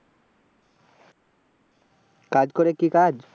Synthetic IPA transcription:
kad͡ʑkoɾekikad͡ʑ

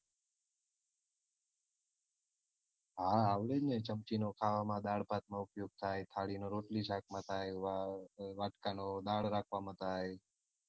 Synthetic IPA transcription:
ɦaaʋlenet͡ʃəmt͡ʃinokʰaʋamãd̪aɽpat̪̚mãʊpjuɡ̚t̪ʰajt̪ʰaɭinoɾoʈliʃakʰmãt̪ʰajʋaʋaʈkanod̪aɽɾakʰʋamãt̪ʰaj

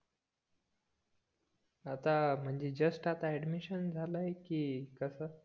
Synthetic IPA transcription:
at̪am̤əɳd͡ʑed͡ʑəsʈat̪aɛɖmiɕənd͡zʱalaekiːkəsə

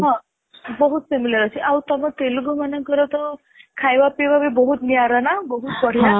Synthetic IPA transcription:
ɦã | bɔɦut̪femiljəɾɔt͡ʃʰiʔawt̪ɔmɔ̃t̪eluɡomanə̃kɔɾɔt̪ɔ | kʰajbapeʋabibɔɦut̪niaɾanabɔɦut̪̚bɔɽ̤ija

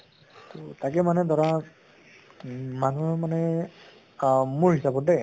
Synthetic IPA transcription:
tɔtakɛmanɛdɔɹa | manumanɛ | muɹhɦisabɔdɛ

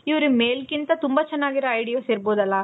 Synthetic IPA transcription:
iʋɾumeːlkint̪ɐt̪umbɐt͡ʃɛnːaːɡiɾoɐjɖijoːseːɾboːd̪ɐlːɐ

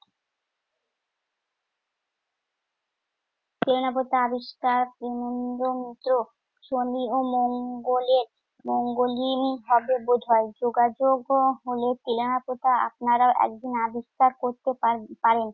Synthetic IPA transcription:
t̪ɾelonap̬ot̪aabiʃkaɾpɾemond̪omit̪ːɾo | ʃomiomoŋɡoleɾ | moŋɡolimiɦɔbebod̪ʱɔed͡ʑoɡad͡ʑoɡɦolet̪elonapot̪aa̰pnaɾaoʔɛ̰k̚d̪inabiʃkaɾkoɾt̪epaɾen

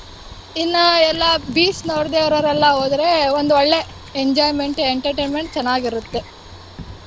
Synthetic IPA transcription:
inːɐɛlːɐbiːsnoːɾd̪eːʋɐɾɐɾɐlːɐɦoːd̪ɾe̞ond̪uɔɭːe̞ | eɲd͡ʒaːjme̞ɳʈeɳʈɐɾʈeːnme̞ɳʈ̚t͡ʃɛnːaːɡiɾut̪ːe̞

